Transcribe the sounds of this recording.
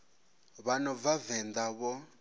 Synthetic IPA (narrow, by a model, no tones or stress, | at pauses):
βanɔvavɛnd̪aβɔ